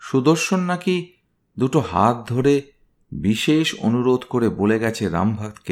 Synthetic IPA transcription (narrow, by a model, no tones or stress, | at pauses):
ʃud̪oɾʃonːaki | d̪uʈoɦa̰t̪̚d̪ʱoɾe | biʃeʃo̰nuɾod̪ʱkoɾeboleɡɛt͡ɕʰeɾa̰mbʱat̪ke